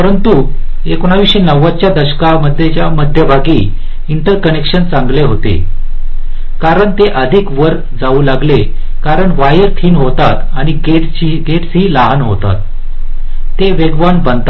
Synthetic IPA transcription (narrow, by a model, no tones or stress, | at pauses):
pəɾənt̪uekoɳ̃aʋiɕenəʋːat͡ɕjad̪əɕkaməd̪ʱːjet͡ɕjaməd̪ʱjəbʱaɡiː | iɳʈəɾkənekʂənt͡sãŋɡleɦot̪ḛ | kaɾəɳt̪eʔəd̪ʱikʋəɾ | d͡zaulaɡle | kaɾəɳʋajəɾt̪ʰiːnɦot̪at̪aɽ̃iɡet͡ɕiɡeʈsɦiːlaɦanɦot̪a̰t̪̚ː | eʋeɡʋanbənt̪